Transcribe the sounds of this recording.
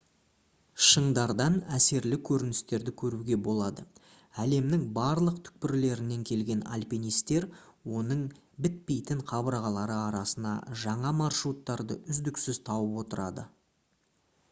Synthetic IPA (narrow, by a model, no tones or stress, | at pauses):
ʃəɴd̪ɑɾd̪ɑnæse̞ɾlɪkʲʰɵɾɪnɪst̪e̞ɾd̪ɪkʲʰɵɾuɡʲe̞bo̞lˠɑd̪ə | æle̞mnɪŋbɑɾlˠəq̚t̪ʰʏ̥k̚pɪɾle̞ɾɪne̞ŋkʲʰe̞lɡʲe̞na̰lʲpinijst̪e̞ɾwo̞nəɴ | bɪt̪̚pe̞jt̪ɪɴqʰɑbəɾɑʁɑlˠɑɾəɑɾɑsənɑ̰ʒɑɴɑmɑrʃɾut̪ːɑɾd̪ə̰ʏzd̪ɪksɪzt̪ʰɑwəpwo̞t̪əɾɑd̪ə